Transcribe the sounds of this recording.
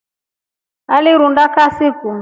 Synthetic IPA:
aliɾundakasiku

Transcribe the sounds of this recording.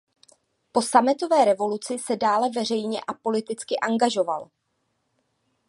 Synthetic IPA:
po̞samɪt̪o̞vɛːɾɛvo̞lut͡sɪsɛdaːlɛvɛr̝ɛjɲɛʔapo̞lɪt̪ɪt͡skɪʔaŋɡaʒo̞va̰l

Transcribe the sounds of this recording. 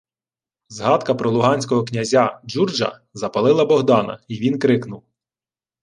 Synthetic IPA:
zɦɑd̪kɐpɾɔlˠʊɦɑnʲsʲkɔɦɔknʲɐzʲad͡ʒurd͡ʒɐ̰ | zɐpɐlˠɪlˠɐbɔɦd̪ɑnɐ̰iʋʲinkɾɪknʊw

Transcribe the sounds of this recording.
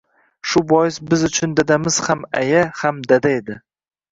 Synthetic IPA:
ʃʊbɒjɪsbɪzʊt͡ʃʰʊnd̪ad̪amɪz̥hamajahamd̪ad̪ae̞d̪ɪ

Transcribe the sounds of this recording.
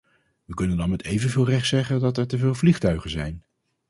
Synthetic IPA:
ʋəkɵnəndɑnmɛtejvənvɪːlˠrɛχtsɛχəndɑtɛɹtəvɪːlˠvliχtœɥχənzɛjn

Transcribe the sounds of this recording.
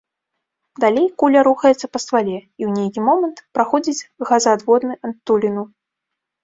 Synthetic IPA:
d̪alʲejkulʲɐɾuxɐjɛt̪sɐpɐst̪valʲɛiwnʲejkʲimɔmɐnt̪pɾaxɔd͡zʲid͡zʲɣazad̪vɔd̪nɨʔɐnt̪ːulʲinu

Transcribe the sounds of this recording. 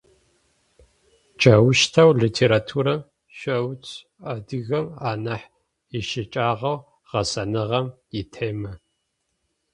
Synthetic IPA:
t͡ʃʼɐwʃtʰɐwɮitʰeːɾaːtʰuːɾɐm | ɕʷɐwt͡sʰʼ | adɨɣɐmaːnɐħ | jɪʃɪt͡ʃʼaːʁɐw | ʁ̥ɐsɐnɨʁɐmitʰeːmɐ

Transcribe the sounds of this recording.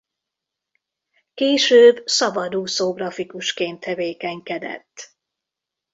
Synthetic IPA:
keːʃøːbsɒbɒd̪uːsoːɡrɒfikuʃkeːnt̪ʰːɛveːkɛŋkɛd̪ɛ̰t̪ː

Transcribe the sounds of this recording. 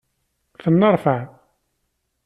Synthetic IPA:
θənːəɾˤfəʕ

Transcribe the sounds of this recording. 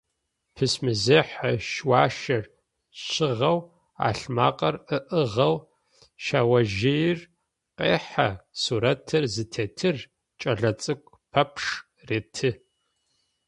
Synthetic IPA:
pʰɨsmɨzeħɐʃwaːʃɐr | ɕɪʁɐw | a̰ːɬmaːqʼɐrɨʔəʁɐw | ʃaːwɐʒɪjr | qḛːħa̰suːɾɐtʰɨrzɨtʰeːtʰɨr | t͡ʃʼɐɮɐt͡sʼɨkʷʰʼ | pʰɐpʰʂ | reːtʰɨ

